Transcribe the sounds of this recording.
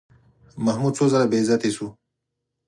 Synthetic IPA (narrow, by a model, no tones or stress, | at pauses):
mɐhmud̪̚t͡sʰozɐɾabezɐt̪isu